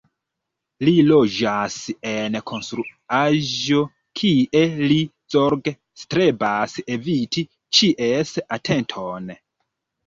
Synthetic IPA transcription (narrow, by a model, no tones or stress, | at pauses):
lilo̞d͡ʒasenkʰo̞nstɾuaʒo̞ | kʰiʔe̞li | zoɾɡe | stɾe̞baseviti | t͡ʃiʔe̞satʰe̞ntʰon